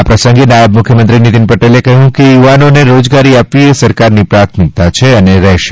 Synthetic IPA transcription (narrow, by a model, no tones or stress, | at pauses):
apɾəsə̃ŋɡenajəbmʊkʰjəmənt̪ɾinit̪inpəʈelekəɦjũkejuʋanoneɾod͡ʒɡaɾiapʋiesəɾkaɾnipɾat̪ʰmik̚t̪at͡ʃʰeəneɾɛɦʃe